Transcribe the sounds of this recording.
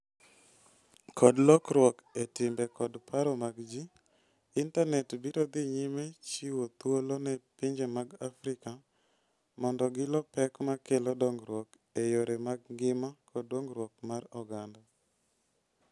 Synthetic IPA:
kʰɔdlɔkɾwɔketɪmbɛkɔdpʰaɾɔmaɡd͡ʒi | intanɛtbiɾɔd̪ɪɲimet͡ʃiwot̪wolonɛpiɲd͡ʒemaɡafɾɪka | mɔndɔɡɪlɔpɛkmakelɔdɔŋɡɾwɔk | ejoɾemaɡɡɪmakʰɔdɔŋɡɾwɔk̚marɔɡanda

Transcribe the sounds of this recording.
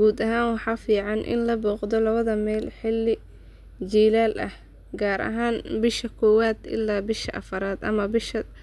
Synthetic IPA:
ɡ̥uːd̪ɐɦaːnwɑħɑːfiːʕɑnʔɪ̰nlɐbɔːqd̪ɔlɐβɐðɐmɛːlħɪlːɪ | t͡ʃiːlaːlʔɐ̰h | ɡaːɾɐ̰ɦaːnbɪʃɐkʰɔːwaːd̪ɪ̰lːaːbɪʃɐʔɐfɐɾaːd̪ɐ̰mɐbɪʃɐ

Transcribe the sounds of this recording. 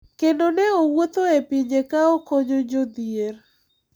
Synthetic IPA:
kendoneowot̪oepiɲekaɔkoɲod͡ʒod̪jeɾ

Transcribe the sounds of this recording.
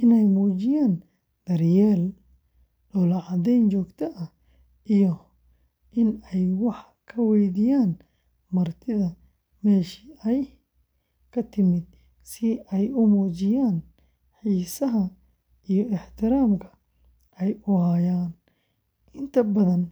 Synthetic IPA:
ʔɪnɛjmuːt͡ʃɪjaːn | d̪̥ɐrjɛːl | ɔːlɐʕɑðɛjnt͡ʃɔːɡt̪ʰɐʔɐ | ʔijɔ | ʔɪnɛjwɑħ | kʰɐwɛjðijaːn | mɐrt̪ʰɪðɐ | mɛːʃi̥ɛj | kʰɐt̪ʰɪmɪd̪̚ | sɪɛjʊmuːt͡ʃɪjaːn | ħiːsɐɦɐ | ʔijɔɪħt̪ʰɪɾaːmkʰɐ̥ | ʔɛjʊɦaːjaːn | ʔɪnt̪ʰɐbɐðɐn

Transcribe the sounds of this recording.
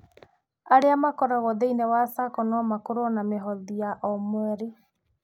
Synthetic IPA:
aɾeamakɔɾaɣɔðeinɛwasakɔnɔmakoɾonameɦɔðiaʔɔmwɛɾe

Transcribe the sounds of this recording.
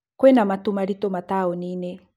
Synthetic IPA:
kwɛnamatumaɾitɔmataɔninɛ

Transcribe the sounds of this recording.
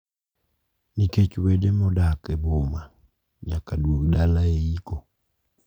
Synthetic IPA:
niket͡ʃuwɛdemɔdakɛboma | ɲakadwokɗalaeikɔ

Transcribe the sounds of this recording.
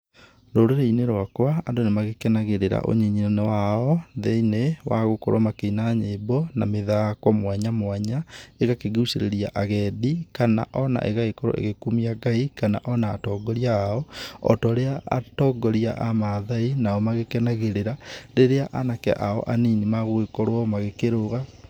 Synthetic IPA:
ɾoɾeɾeineɾwakwaːndonemaɣekɛnaɣeɾeɾa̰ʔo̰ɲiɲinenɛwaɔðeinewaɣokoɾɔmakeinaɲeːbɔnameðakwɔmwaɲamwaɲaeɣakeɣeuseɾeɾia̰ʔaɣɛdikana̰ʔɔna̰ʔeɣaɣekɔɾɔ̰ʔḛɣekumiaɡaikana̰ʔɔnaːtɔɡɔɾiaːɔɔ̰tɔɾeaa̰tɔːɡɔɾia̰ʔamaðainaɔmaɣekɛnaɣeɾeɾaɾeɾeaʔanakɛ̰ʔaɔ̰ʔaninimaɣoekɔɾwɔmaɣekeɾoɣa

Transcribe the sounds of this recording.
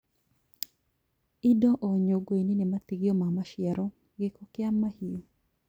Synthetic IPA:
ɪdɔʔoɲoɡweninemat̪iɡjɔmamaʃɪɛɾɔ | ɡɪkɔkɪamːahio

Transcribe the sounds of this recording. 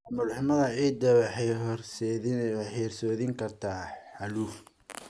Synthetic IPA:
mʊlħnɐðɐiːd̪ɐwħɛɦrs | ħɛːrsɔːðɪŋkʰɐrt̪ʰaːħɐluf

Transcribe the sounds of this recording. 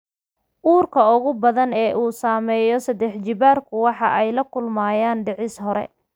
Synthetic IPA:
ʔuːrkʰɐʊɣʊbɐðɐnɛːʔuːsaːmɛːjɔsɐd̪ɛħt͡ʃɪβaːrkʰʊwɑħɑʔɛjlɐkʰʊlmaːjaːnɖɪʕɪsɦɔɾɛ̰

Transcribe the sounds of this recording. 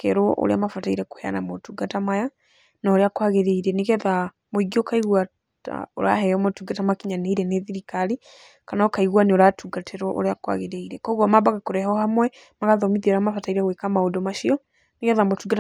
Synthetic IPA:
kɛɾoʔo̰ɾḛa̰mafataiɾɛko̥hɛa̰namotuɡatamaja | naoɾeakwaɣeɾeiɾɛneɣɛða | moiɡiokaiɣwa | ta̰oɾa̰ɦɛɔmotuɡatamakiɲaneiɾɛneðiɾikali | kanaɔkaiɣwaneoɾatuɡatʰeɾwɔʔo̰ɾeakwa̰ɣeɾeiɾɛkɔɣwɔmabaɣakoɾɛhɔhamwɛ | maɣaðɔmiðoɾamafataiɾɛɣwekamaodɔmaʃiɔ | neɣɛðamotuɡat

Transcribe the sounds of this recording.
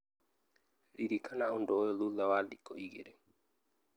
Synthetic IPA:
ɾiɾikʰanaundɔjɔlulawalikɔʔiɡḛɾɛ

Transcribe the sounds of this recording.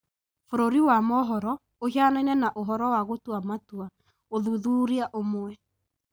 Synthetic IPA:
foɾoɾiwamɔɦɔɾɔ | ohanainɛnaʔoɦɔɾɔwaɣotwamatua | oðuðuːɾiaʔomwɛ

